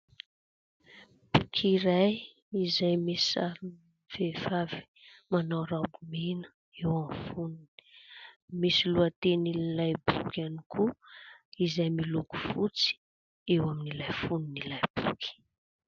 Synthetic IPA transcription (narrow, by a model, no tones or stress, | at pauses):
b̥ukʰiɾaj | izajmesa | v̥evavi̥ | manawɾabumenə̥ | ewamfununi̥ | misiluat̪eninilajbukaniku | izajmiluku̥vut͡si̥ | ewaminilajfuninilajb̥ukʰi̥